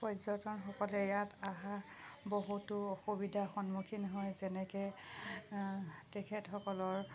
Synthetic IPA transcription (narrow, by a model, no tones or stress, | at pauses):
pɔzɔtɔnxɔkɔlɛjataɦa | boɦutʊɔxubidʱaxɔnmukʰinɦɔjzɛnɛkɛ | tɛkʰɛtxɔkɔlɔɹ